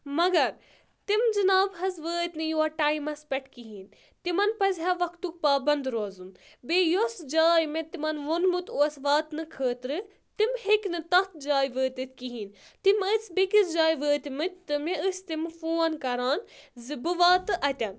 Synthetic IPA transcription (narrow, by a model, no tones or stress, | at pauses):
mɐɡɐɾ | t̪imd͡ʒɨnaːbɦɐzʋəːt̪ʲnɨjoɐʈaːimɐspʲɛʈʰkiɦin | t̪imɐnpɐzʲɦaʋɐkʰt̪uk̚paːbɐnd̪ɾoːzɨn | bejosd͡ʒaːjmet̪imɐnʋonmɨt̪oːsʋaːt̪nɨkʰəːt̪ɾɨ | t̪imheknɨt̪ɐt̪̚d͡ʒaːjʋəːt̪ɨt̪̚ʰʲkiɦin | t̪imɨt͡sbikisd͡ʒaːjʋəːt̪mɨt̪̚ʲt̪ɨmeəst̪imfoːnkɐɾaːnzɨbɨʋaːt̪ɨʔɐt̪ʲɐn